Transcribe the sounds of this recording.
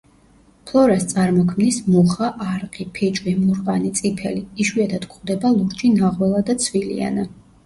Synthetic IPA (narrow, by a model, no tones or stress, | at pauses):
pʰlˠɔɾast̪sʼaɾmɔkʰmnismuχaʔːɾqʼipʰɛt͡ʃʼwimuɾqʼanit̪sʼipʰɛ̰liːʃwiad̪ʰad̪kʰχwd̪ɛbalˠuɾt͡ʃʼinaʁwɛlˠad̪at̪sʰvilḭa̰na